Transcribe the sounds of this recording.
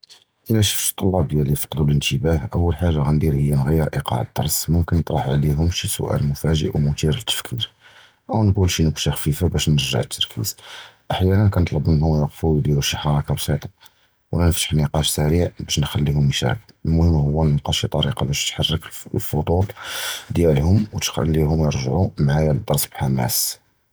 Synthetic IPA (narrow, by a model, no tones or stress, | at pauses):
ʔəlæʃə̥fʃt̪ˤːɑlːɑb̚d̪jælifɑ̥qd̪ulənt̪əbæhʔəwːəlħaʒːaɣænd̪iɾhəjːænɣəjːəɾʔiqɑ̰ʕəd̪ːɑ̰ɾˤsmʊmkənːət̪ˤɾˤɑħʕliɦʊmʃisʊ̰ʔæ̰lmʊfæʒə̰ʔwmʊt̪iɾələt̪ʰːə̥fkʰiɾ | ʔəwnɡulʃinəfʃaxfifabæʃnəɾʒə̰ʕət̪ʰːɑɾˤkʰḭz̥ʔaħjænənkænt̪ˤlɑbmənhʊmjɑqfud̪jæluʃːəħɾɑkɑbsˤit̪ˤɑ | wlænəft̪ə̥ħniqɑʃsæɾiʕbæʃnxælːihʊmjʃæ̰həd̪əlmʊhəmːhʊwːænːqɑʃit̪ˤɑɾiqɑbæʃt̪ħɑrˤːəklfod̪ˤut̪ˤd̪jælhʊmwət̪xæ̰lːiɦʊmjəɾʒʕumʕajæd̪əd̪ˤːɑɾˤsˤbħamæ̰s